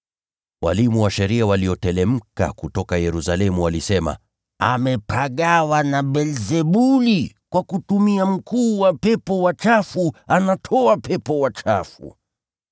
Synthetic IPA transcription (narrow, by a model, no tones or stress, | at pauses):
wa̰limuwaʃɛɾiawaliɔtɛlɛm̩ka̰kutɔkajɛɾusalɛmuwalisɛma̰ | a̰mɛpʰaɠawanaɓɛlzɛɓuli | kwakutumiam̩kuːwapɛpɔwat͡ʃafuanatʰɔapɛpɔwat͡ʃafṵ